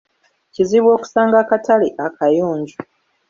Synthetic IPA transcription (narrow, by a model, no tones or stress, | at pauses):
ciziβwo̞ːku̥saːŋɡakataliʔakajuːɲɟu